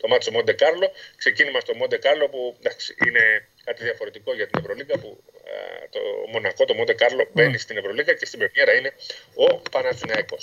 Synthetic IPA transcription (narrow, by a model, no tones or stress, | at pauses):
t̪o̞mɐt̪i̥so̞mo̞nd̪e̞kɐɾlo̞kse̞cinimɐst̪o̞mo̞nd̪e̞kɐɾlo̞pud̪ɐksi̥ine̞ | kɐt̪iðiɐfo̞ɾe̞t̪iko̞ʝɐt̪ine̞vɾo̞likɐpṵ | t̪o̰mo̞nɐko̞t̪o̞mo̞nd̪e̞kɐɾlo̞be̞nist̪ine̞vɾo̞liɣɐce̞st̪ibe̞mɲeɾɐine̞o̞pɐnɐt͡sinɐeko̞s